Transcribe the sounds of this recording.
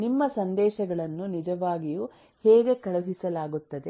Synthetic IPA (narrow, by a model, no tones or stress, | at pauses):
nimːɐsɐnd̪ɛːʃɐɡɐɭɐnːunid͡ʒɐʋaːɡijuː | hɛːɡe̞kɐɭɐɦisɐlaːɡut̪ːɐd̪e